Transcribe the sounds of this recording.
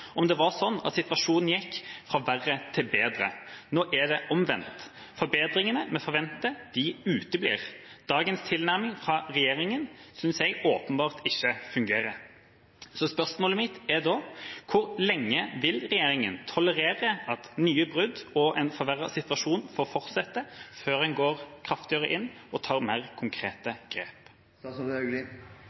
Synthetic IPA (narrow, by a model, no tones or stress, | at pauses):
ɔmd̪ɛʋɑʁsɔnːɑ̰t̪sɪt̪ʋɑʂuːnn̩jɛkːfʁɑʋæʁːət̪ʰɪlbeːd̪ɾə̰noːʔæd̪ɛʔɔmʋɛ̰nt̪ | fɔɾbeːd̪ɾɪŋənəmɛfɔɾʋɛnt̪ːəd̪̥ɪʉːt̪əblḭːʁd̪̥ɑːɡənst̪ʰɪlnæʁmɪŋfʁɑɾɛjeːɾɪŋənsʏnsɛɡoːpənbɑːʁt̪ɪçːəfʉŋɡeːɾə | sɔspœʁsmoːləmɪt̪æd̪ɔːkʰʊɾlɛŋːəʋɪlʁɛjeːɾɪŋənt̪ʰɔləʁeːʁəɑt̪nyːəbʁʉd̪ɔʔɛnfɔʁʋæʁɑsɪt̪ʋɑʂuːnfoːɾfɔɾt̪sɛt̪ːəføːʁɛnɡoːʁkʰʁɑft̪ɪɑʁəʔɪnːɔt̪ʰɑːʁmeːʁkʰʊŋkʰɾeːt̪əɡ̥ʁḛːp